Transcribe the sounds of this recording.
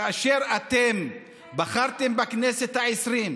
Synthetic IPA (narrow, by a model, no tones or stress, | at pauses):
aaʃeʁat̪em | baχaʁt̪embaknese̞t̪haesʁim